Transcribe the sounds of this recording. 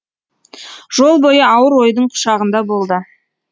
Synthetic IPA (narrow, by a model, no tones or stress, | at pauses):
ʒ̥o̞lˠbo̞jəɑwəɾwo̞jd̪əɴqʰʊ̥ʃɑʁənd̪ɑbo̞lˠd̪ə